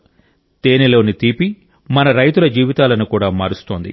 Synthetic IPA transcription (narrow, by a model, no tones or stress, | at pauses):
t̪eːnelo̞ːnit̪iːpi | mɐnɐɾɐjt̪ulɐd͡ʒiːʋit̪aːlɐnukuːɽaːmaːɾust̪oːnd̪ḭ